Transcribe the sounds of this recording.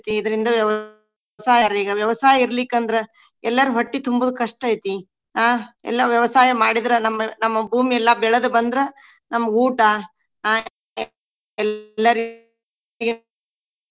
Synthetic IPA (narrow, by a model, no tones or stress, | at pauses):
t̪iid̪ɐɾind̪ɐʋjɐʋɐ | saːjɐɾiːɡɐʋjɐʋɐsaːjɐiɾɐlikːɐnd̪ɐɾe | ɛlːɐɾuɦɐʈːit̪umbɐd̪ukɐʂʈɐjt̪i | ɦaːɛ̰lːɐʋjɐʋɐsaːjɐmaːɽid̪ɐɾenɐmːɐnɐmːɐbʱuːmiɛlːɐbɛɭɐd̪ubɐnd̪ɾe | nɐmːɐɡuːʈɐ | aː | ɛllːɐɾ | ɡe